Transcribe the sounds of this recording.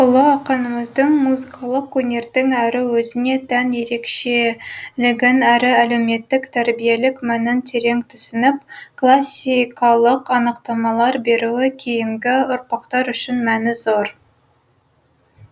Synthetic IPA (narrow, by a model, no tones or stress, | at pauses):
ʊlˠəɑqɑnəməzd̪əɴmuzɨkʰɑlˠəqwɵnʲe̞ɾd̪ɪŋæɾɪwɵzɪne̞t̪ʰænje̞ɾe̞kʃelɪɡʲenæɾɪælewme̞t̪ːɪkt̪ʰæɾbijelɪkmænɪnt̪ʰe̞ɾe̞ŋt̪ʰʏsɪnɪp̚kʰlˠɑsʲikʰɑlˠəqɑnəqt̪ɑmɑlˠɑɾbe̞ɾuwɪkʲʰejɪŋɡʲɪʊɾpɑqt̪ɑɾʏʃɪnmænɪzoɾ